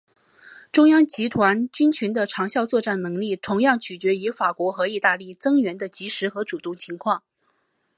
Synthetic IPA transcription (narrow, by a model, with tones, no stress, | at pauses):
ʈ͡ʂʊ˥ŋjɑ˥ŋt͡ɕi˧˥t̪ʰwa˧˥nt͡ɕy˥nt͡ɕʰy˧˥nd̪ə˧ʈ͡ʂʰɑ˧˥ŋɕjɑ˥˧ʊt͡swɔ˥˧ʈ͡ʂa˥˩nnɤ˧˥ŋli˥˩t̪ʰʊ˧˥ŋjɑ˥˩ŋt͡ɕʰy˨˩t͡ɕɥɛ˧˥y˧˥fa˨˩kwɔ˧˥xɤ˧˥i˥˧t̪a˥˧li˥˩t͡sɤ˥ŋɥɛ˧˥nd̪ə˧t͡ɕi˧˥ʂɻ̩˧˥xɤ˧˥ʈ͡ʂu˨˩t̪ʊ˥˩ŋt͡ɕʰi˧˥ŋkʰwɑ˥˩ŋ